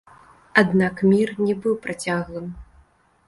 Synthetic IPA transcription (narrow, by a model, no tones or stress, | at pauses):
ad̪nakmʲirnʲɛbɨwpɾat͡sʲaɣlˠɨm